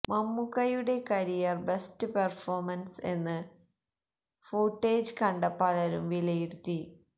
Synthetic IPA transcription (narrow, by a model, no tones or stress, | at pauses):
mɐmːukɐjuɽe̞kɐɾijɐrbe̞stɨperformɐnse̞nːɨ | foːʈːeːd͡ʑɨkɐɳɖɐpːɐlɐɾumʋilɐjiɾut̪ːi